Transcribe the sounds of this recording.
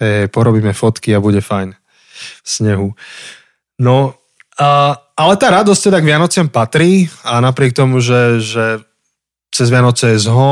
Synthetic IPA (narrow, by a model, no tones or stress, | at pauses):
ɦɛjɦɛjpɔɾɔbiːmɛfɔt̪kiabuɟɛfajn | sɲɛɦu | nɔ | alɛt̪aːɾad̪ɔsc̚t̪ɛd̪aɡʋɪanɔt͡sɪampat̪ɾiːanapɾɪɛk̚t̪ɔmuʒɛʒɛ | t͡sɛzʋɪanɔt͡sɛjɛzɦɔ